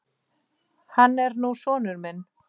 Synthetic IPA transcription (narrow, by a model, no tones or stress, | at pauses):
hanːɛɾnusɔːnʏɾmɪn